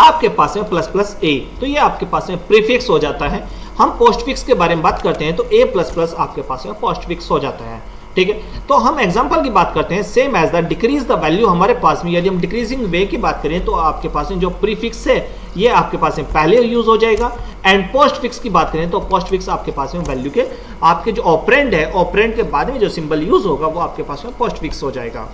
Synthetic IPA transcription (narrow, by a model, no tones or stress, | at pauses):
aːp̚kepaːsmẽplɐsplɐseːt̪ojeaːp̚kepaːsmẽpɾiːfɪksɦod͡ʒaːt̪aɦɛː | hɐmpoːsʈfɪkskebaːɾemẽbaːt̪kɐɾt̪eɦɛ̃t̪oʔeːplɐsplɐsaːp̚kepaːsmẽpoːsʈfɪksɦod͡ʒaːt̪aɦɛ̰ː | ʈʰiːkɦɛt̪oɦɐmeːɡzãːmpəlkibaːt̪kɐɾt̪eɦɛ̃seːmɛːzd̪aːɾɖɪkɾiːzd̪ɐʋɛːljuɦɐmaːɾepaːsmẽjɐd̪iɦɐmɖɪkɾiːzɪ̃ŋɡʋeːkibaːt̪̚kɐɾẽɦɛ̃t̪oaːp̚kepaːsmẽd͡ʒoːpɾiːfɪksɦɛ | jeaːp̚kepaːsmẽpɛɦlejuːzɦod͡ʒaːeːɡaː | ɛ̃ːɳɖ̚poːsʈfɪkskibaːt̪̚kɐɾẽɦɛ̃t̪opɔːsʈfɪksaːpkepaːsmẽʋɛːljuke | aːp̚ked͡ʒoːɔːpɾẽːɳɖɦɛʔɔːpɾẽːɳɖ̚kebaːd̪mẽd͡ʒoːsɪ̃mbəljuːzɦoːɡaʋoaːp̚kepaːsmẽpoːsʈfɪksɦod͡ʒaːeːɡa̰ː